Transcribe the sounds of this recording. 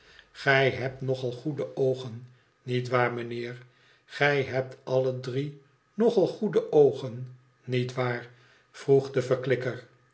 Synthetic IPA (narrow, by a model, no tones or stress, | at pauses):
χɛjɦɛp̚tnɔχɑlˠχudəʔowχənː | itʋaːɹməneːɹ | χɛjɦɛp̚tɑlədri | nɔχɑlˠχudəʔowχənː | itʋaːɹ | v̥ruχdəvəɹklɪkəɹ